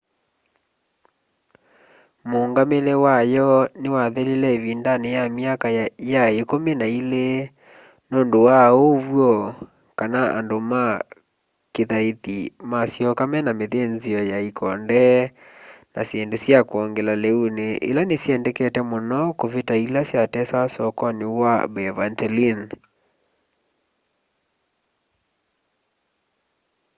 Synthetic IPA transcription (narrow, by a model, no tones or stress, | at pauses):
moŋɡamelɛwajɔnewaðelelɛvindanejamiakajaekomenaile | noːndowaovwɔ | kanaa̰ndoma | keðaeðimasjɔkamɛnameðenziɔjaikʰɔndɛ | nasendosjakwɔŋɡelaleuneʔḛlanesiɛndɛkɛtɛmɔnɔkovetailasjatɛsasɔkɔnewabɛvantɛlin